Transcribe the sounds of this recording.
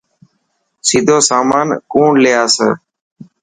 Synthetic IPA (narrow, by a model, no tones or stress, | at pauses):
siːd̪ʱoːsaːmaːnkuːɳlejaːsə̰ː